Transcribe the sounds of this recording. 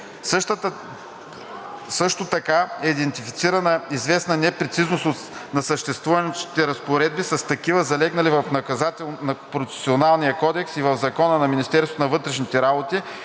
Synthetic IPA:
səʃt̪ət̪ | sɤʃt̪ot̪ɐkaɛid̪ɛnt̪ifi̥t̪siɾɐnəizvɛsnənɛpɾɛt̪siznost̪ot̪ | nɐsəʃt̪ɛst̪vuvɐnt͡ʃi̥t̪ɛɾɐspoɾɛd̪̚bisɐst̪ɐkivəzɐlɛɡnɐlivɐfnɐkɐzat̪ɛlˠnɐpɾofɛ̥sionalˠnijəkɔd̪ɛksivəvzɐkɔnənɐminist̪ɛɾsot̪onɐvɤt̪ɾɛʃnit̪ɛɾabot̪i

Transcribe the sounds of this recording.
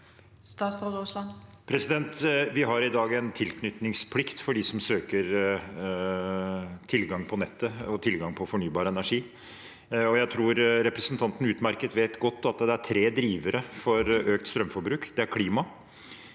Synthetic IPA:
st̪ɑːsɑʋd̪oslɑnpʰɾɛsɪd̪ɛnt̪ʋɪɦɑɾɪd̪ɑːɡɛnt̪ʰɪlkʰnʏt̪nɪŋspʰlɪkt̪fɔɖisɔmsøːkəɾ | t̪ʰɪlɡɑŋpʰɔnɛt̪ːəɔt̪ʰɪlɡɑŋpʰɔfɔɳyːbɑːɾəɛnæʂiː | ɔjæɪt̪ʰɾuːɾɾɛpɾɛsənt̪ʰɑnt̪n̩ʉːt̪mæɾkət̪ʋeːt̪ɡɔt̪ːɑt̪d̪ɛæʈʰɾeːd̪ɾiːʋəɾəfɔɾøːk̚t̪st̪ɾœmfɔɾbɾʉːkd̪ɛæɾkʰliːmɑ

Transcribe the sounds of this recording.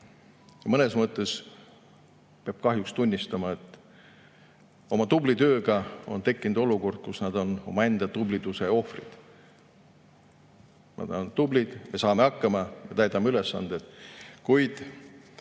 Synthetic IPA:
jɑmɤnesmɤt̪ːˑe̞s | peɑb̥kɑɦjukst̪unʲːist̪ɑmɑe̞t̪ˑː | o̞mɑt̪ublit̪ø̞ːɡɑo̞̰nt̪e̞kːinud̪̥o̞luko̞rd̪̥̚kusnɑd̪o̞no̞̰mɑe̞nd̪̥ɑt̪ublit̪useo̞frid̪̥ | mɑ̰d̪nt̪ublid̪̥me̞sɑːme̞ɑkːɑmɑmet̪æjd̪ɑmːeyle̞sːɑ̰nd̪̥ed̪̥kujd̪̥

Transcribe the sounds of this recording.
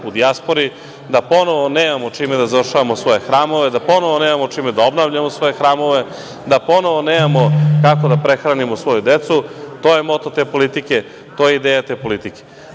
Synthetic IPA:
ud̪iaspo̞ɾi | d̪apo̞no̞ʋoneːmamot͡ʂimed̪azaʋr̩ʂaʋamosʋo̞je̞xɾaːmo̞ʋed̪apo̞no̞ʋoneːmamot͡ʂiːmed̪ao̞bnavʎamosʋo̞je̞xɾaːmo̞ʋe̞ | d̪apo̞no̞ʋo̞neːmamo̞kako̞d̪apɾe̞xɾanimosʋo̞jud̪et̪sut̪ojemo̞t̪ot̪eːpo̞lit̪ike̞ | t̪ojeid̪eːjat̪e̞ːpo̞lit̪ike

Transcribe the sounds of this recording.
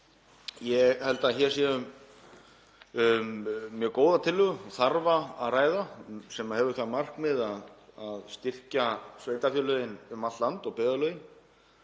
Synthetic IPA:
jɛɣhɛlt̪açɛɾ̥sjɛʏm | ʏmːjœːkoːwðat̪ʰɪlːʏɣʏɔθaɾvaaraːjðasɛmahɛvʏθaðmar̥kmɪðaðaðst̪ɪr̥casveːjt̪afjœlœjɪnʏmat̪t̪lant̪ɔɣpɛðalœɥjɪn

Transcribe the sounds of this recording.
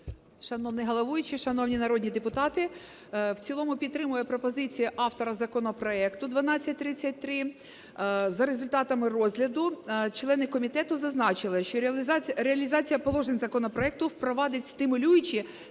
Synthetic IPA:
ʃɐnɔwnʲɪɦɔlˠɔʋujʊt͡ʃɪʃɐnɔwnʲinɐɾɔdʲnʲid̪epʊt̪ɑt̪ɪ | wt͡sʲilˠɔmʊpʲid̪ːɾɪmʊjɛpɾɔpɔzɪt͡sʲijʊʔɑft̪ɔɾɐzɐkɔnɔpɾɔɛkt̪ʊd̪ʋɐnɑt͡sʲːɐtʲt̪ɾɪt͡sʲɐtʲt̪ɾɪ | zɐɾezʊlʲt̪ɑt̪ɐmɪrɔzʲlʲɐd̪ʊt͡ʃlˠɛnɪkɔmʲit̪ɛt̪ʊzɐznɑt͡ʃɪlˠɪʃt͡ʃɔɾʲeɐlʲizɑt͡sʲijɐpɔlˠɔʒenʲzɐkɔnɔpɾɔɛk̚t̪ʊwpɾɔʋɑd̪ɐtʲst̪ɪmʊlʲujʊt͡ʃɪ

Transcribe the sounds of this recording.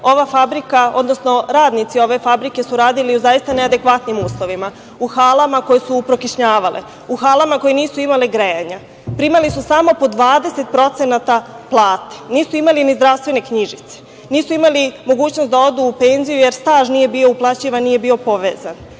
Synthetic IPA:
o̞ʋafabɾikao̞̰d̪nosno̞ɾaːd̪nit̪sio̞ʋe̞fabɾike̞suɾaːd̪iliuzajist̪anead̪e̞kʋat̪nimuːslˠo̞ʋima | uxaːlamako̞jesuːpɾokiʃɲaːʋalʔḛ | uxaːlˠamako̞jeniːsuimaleɡɾejaɲa | pɾimalisusamo̞po̞d̪ʋaːd̪e̞se̞t̪̚pɾo̞t̪se̞nat̪aplˠaːt̪e̥niːsuimalinizd̪ɾaʋst̪ʋe̞ne̞kɲiʒit̪se̥ | niːsuimalimo̞ɡuːt͡ɕnost̪d̪ao̞d̪uːpe̞nzijujeɾst̪aːʒnije̞bio̞uplˠat͡ɕiʋannːije̞bio̞po̞ʋḛːzan

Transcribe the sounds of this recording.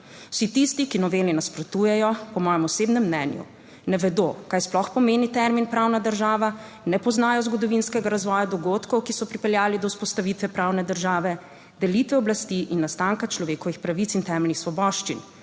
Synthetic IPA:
w̥sit̪ist̪ikinɔʋeːlinaspɾɔt̪uːjɛjɔpɔmɔːjɛmɔseːbnɛmːnɛːnjṵ | nɛʋɛd̪okajsplɔxpɔmeːnit̪ɛɾminpɾawnad̪əɾʒaːʋa | nɛpɔznaːjɔzɡɔd̪ɔʋinskɛɡaɾazʋɔːjad̪ɔɡot̪kɔwkisɔpɾipɛljaːlid̪ɔwspɔst̪aʋit̪ʋɛpɾaːwnɛd̪əɾʒaːʋɛ | d̪ɛlit̪ʋɛɔblast̪iʔinːast̪aːŋkat͡ʃlɔʋeːkɔʋixpɾaʋit̪sint̪ɛːmɛlnixsʋɔbɔʃt͡ʃin

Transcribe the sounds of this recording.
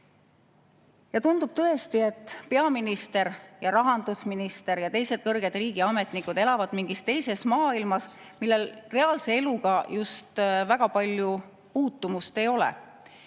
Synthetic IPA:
jɑt̪und̪̥ub̥̚t̪ɤe̞st̪ie̞t̪ːˑpe̞ɑminist̪e̞ɾjɑɾɑɦɑnd̪̥usminist̪e̞ɾjɑt̪e̞jse̞d̪̥̚kɤrɡ̥e̞d̪̥riːɡ̥iɑme̞t̪ˑnikːˑud̪̥e̞lɑvɑd̪̥miŋɡ̥ist̪e̞jse̞smɑːilmɑsmilːe̞lre̞ɑːlse̞e̞luɡ̥ɑjust̪væɡ̥ɑpɑlʲju | puːt̪ːumust̪e̞jo̞lɛ̰

